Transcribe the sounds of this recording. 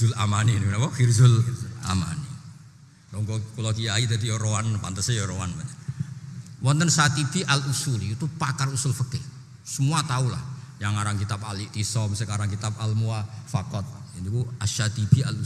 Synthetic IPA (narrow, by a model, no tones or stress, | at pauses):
ʊlamanininakɔfirzʊlʔa̰ma̰ni | ɔŋkɔkulɔkiait̪ad̪ijɔɾoanpant̪əsejɔɾoanmaɲa | wɔnt̪ənsat̪ib̥iʔalusulit̪upakarusʊlfəkɪh | səmuat̪aula̰h | jaŋaɾaŋkit̪ap̚aliʔt̪isɔmsəkaɾaŋkit̪ap̚almuafakɔt̪̚ind̪ukuaʃat̪ib̥ia̰lu